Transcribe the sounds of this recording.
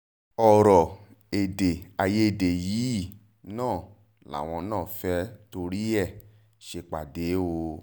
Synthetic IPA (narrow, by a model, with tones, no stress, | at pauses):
ɔ˨ɾɔ˨ | e˨de˨a˨je˦e˨de˨ji˨˦˨ | nãː˦˨ | la̰˨w̃ɔ̃˧nãː˦˨fɛ˦to˧ɾi˦ɛ˦˨ | ʃe˧k͡pa̰˨de˨˦o˧